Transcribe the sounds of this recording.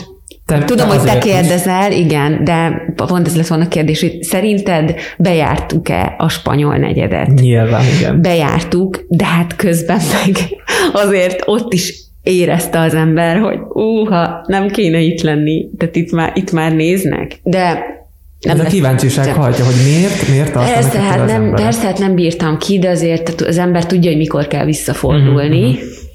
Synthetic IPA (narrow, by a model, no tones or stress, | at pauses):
t̪ɛt̪ud̪omhoɟtɛkeːrd̪ɛzɛlʔiɡɛnd̪ɛpont̪ɛzlɛt̪ʋolnɒkeːrd̪eːʃhoɟsɛɾint̪ɛd̪bɛja̰ːrt̪ukɛ̰ɒʃpɒ̰ɲo̞̰lnɛ̰ɟɛ̰d̪ɛ̰t̪ɲɲilva̰ːniɡɛ̰nbɛja̰ːrt̪ukd̪ɛɦat̪køzbɛmːɛɡɒzeːrt̪o̞t̪ːiʃ | eːɾɛst̪ɛɒzɛmbɛrho̞̰ɟuːɦɒnɛmkeːnɛit̪lɛnːit̪aːt̪it̪mait̪maːrneːznɛ̰kd̪ɛ | nɛmzɛkivaːnt͡ʃiʃaːkhɒjcɒɦo̞ɟmeːrt̪meːrt̪ːɒrtsatnɛmɛrst̪ɛat̪nɛmbiːrt̪ɒmkʰid̪ɛɒzeːrt̪uɒzɛmbɛrt̪uɟːɒɦoɟmiko̞rkɛ̰lʋisːɒfo̞̰rd̪ulni